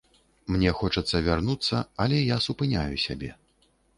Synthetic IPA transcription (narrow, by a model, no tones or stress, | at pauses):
mnʲɛxɔt͡ʂɐt̪sːɐvʲarnut̪sːɐ̰ɐlʲɛjasupɨnʲajusʲabʲɛ